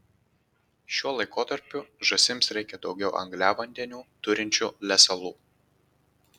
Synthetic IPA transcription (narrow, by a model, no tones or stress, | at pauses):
ʃʲuɔlˠɐɪkoːt̪ɐɾʲpʲʊʒɐsʲɪmsɾʲɛɪkʲɛd̪ɒʊɡʲɛʊʔɐ̰ŋɡlʲæːʋɐnʲd̪ʲɛnʲuːt̪ʊɾʲɪnʲt͡ʃʲuːlʲɛsʲɛlˠuː